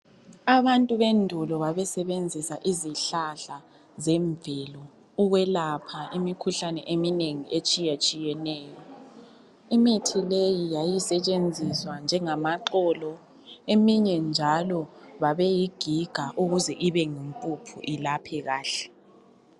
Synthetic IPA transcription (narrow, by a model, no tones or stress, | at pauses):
aβantʼuβendʱulɔβaβɛsɛβend͡zʱisaʔiziɬaɬa | zɛɱvɛlɔ | uɣwɛlapʰaimikʰuɬanɛʔemineŋiet͡ʃʼijat͡ʃʼijɛnɛːjɔ | imitʰilejijajisɛt͡ʃʼend͡zʱiswand͡ʒʱɛŋamaǃɔlɔ | emiɲɛnd͡ʒʱalɔβaβɛjiɡ̥ʱiɡ̥ʱaʔuɣuzɛʔiβɛŋimpʼupʰṵʔilapʰɛɣaːɬɛ̥